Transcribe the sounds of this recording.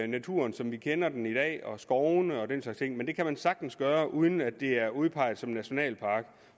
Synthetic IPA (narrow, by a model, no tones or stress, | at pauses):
næt͡sʰṵɐnsɒ̽mʋikʰenɐd̥en̩id̥ɛ̰ːɒ̽sɡ̥ɒʊnəɒ̽d̥enslɑɡ̥st͡sʰe̝ŋ̰mend̥e̝kʰæmænsɑ̈ɡ̥̚d̥n̩sɡ̥ɶːɐʔuð̞ˠn̩æd̥e̝æɐuð̞ˠpʰɑ̈ɪ̰ð̩ˠsɒ̽mnæɕo̝nɛ̰ːlpʰɑ̈ːɡ̥